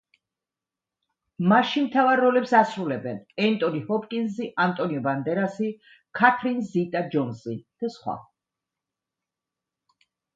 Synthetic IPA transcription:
maʃimt̪ʰavaɾːɔlɛpsasɾulɛbɛnɛnt̪ʼɔnihɔpʼkʼinziʔant̪ʼɔniɔband̪ɛɾasi | kʰat̪ʰɾinzzit̪ʼad͡ʒɔnzid̪̥asχwa̰

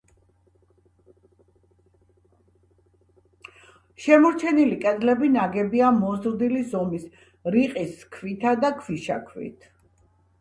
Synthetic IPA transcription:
ʃɛmɔɾt͡ʃʰɛnilikʼɛd̪lɛbinaɡɛbiamɔzɾd̪ilizɔmis | ɾiqʼiskʰvit̪ʰad̪akʰviʃa̰kʰwḭt̪ʰ

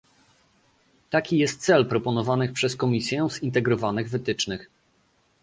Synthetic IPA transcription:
t̪akʲijɛst̪t̪sɛlpɾɔpɔnɔvanɘxpʂɛskɔmʲisʲjɛzint̪ɛɡɾɔvanɘɣvɘt̪ɘt͡ʂnɘx

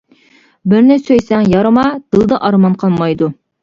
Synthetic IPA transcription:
bɪɾnɪsøjsɛŋjɑɾɨmɑd̪̥ɨlˠd̪ɑʔɑɾmɑnqʰɑlˠmɑjd̪u

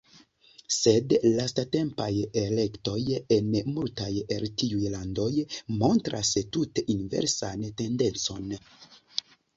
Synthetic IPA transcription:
se̞dlastate̞mpajele̞kto̞jenmultajeltiujlando̞jmo̞ntɾastuteʔinve̞̰ɾsante̞nde̞nt͡so̞n

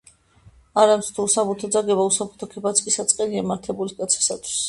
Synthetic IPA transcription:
aɾamt̪st̪ʰuusabut̪ʰɔd̪zaɡɛbausabu̥t̪ʰɔkʰɛbat̪sʰʼkʼisat̪sʼqʼɛliamaɾt̪ʰɛbuliskʼat̪sʰi̥sat̪ʰwi̥s

